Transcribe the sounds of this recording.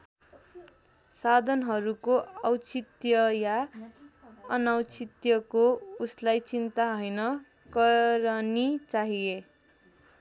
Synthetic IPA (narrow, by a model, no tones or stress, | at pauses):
sad̪ʱʌnɦʌɾukoʌwt͡sit̪jʌja | ʌnʌwt͡sit̪jʌkouslajt͡sint̪aɦʌjnʌ | kʌɾʌnit͡saɦie